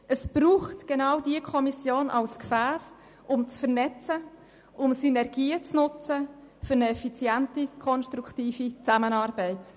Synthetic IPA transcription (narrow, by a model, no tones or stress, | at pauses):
əsb̥ɾuːχtɡ̥enawdiəkʰɔmisjoːnʔɑ̰lskfæːs | ʔʊmt͡sfəʁnɛt͡sə | ʔʊmsynɛɾɡiːət͡snʊt͡sə | fʏɾnəɛfit͡sjɛntikʰɔnʃtɾuktiːfit͡samənɑːɾbɛɪt